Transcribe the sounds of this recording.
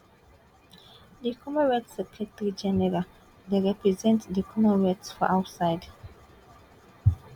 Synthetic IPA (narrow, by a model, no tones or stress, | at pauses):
dikʰɔmə̃ɹɛtsɛkʰɹɛtəɹid͡ʒɛnɛɹal | deɹɛpɹizɛ̃ntdikʰɔmənɹɛtsfɔʔawtsaɪd